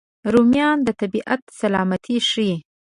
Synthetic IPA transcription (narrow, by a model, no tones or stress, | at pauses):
ɾumjɑnd̪ət̪abiʔat̪salɑmat̪ʰiʂi